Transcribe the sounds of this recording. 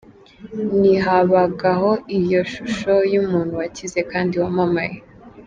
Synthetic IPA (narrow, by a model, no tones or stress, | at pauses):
niɦaβaɡaɦo̞ʔijo̞ʃuʃo̞jumuːn̥huwacize̞kaːndiwamama̰je